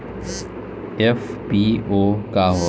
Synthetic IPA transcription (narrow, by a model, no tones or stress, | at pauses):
efpiokaɦo